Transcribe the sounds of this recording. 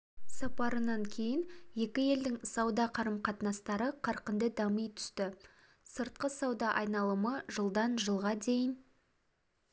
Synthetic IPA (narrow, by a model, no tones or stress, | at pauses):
sɑpɑɾənɑŋkʲʰe̞jɪnje̞kʲɪje̞ld̪ɪŋsɑwd̪ɑqʰɑɾəmqʰɑt̪nɑst̪ɑɾəqʰɑɾqənd̪əd̪ɑmijt̪ʰʏ̥st̪ɪ | səɾt̪̚qəsɑwd̪ɑʔɑjnɑlˠəməʒəlˠd̪ɑnʒəlˠʁɑd̪e̞jɪn